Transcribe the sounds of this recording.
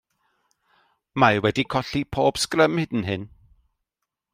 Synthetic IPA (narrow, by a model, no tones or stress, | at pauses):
majwɛdikʰɔɬipʰoːb̥skrəmhɪdn̩ɦɪn